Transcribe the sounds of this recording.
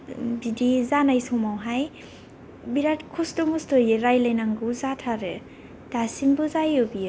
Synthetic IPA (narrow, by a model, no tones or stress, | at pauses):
bidizanajsɔmawɦaj | biɾatkʰustɔmustɔjɯɾajlajnaŋɡɯwzatʰaɾɯ | d̥asimbɯzajɯbijɯ